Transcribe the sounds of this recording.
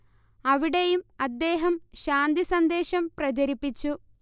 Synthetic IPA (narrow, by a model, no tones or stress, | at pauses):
ɐʋiɽe̞jumɐd̪ːe̞ːɦɐmɕaːnd̪isɐnd̪e̞ːɕɐmprɐt͡ɕɐɾipːit͡ɕːu